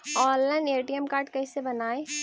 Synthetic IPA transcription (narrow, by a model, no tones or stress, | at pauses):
ɔːllaːɪneːʈiɛmkaːɾʈkɐisebɐnaːe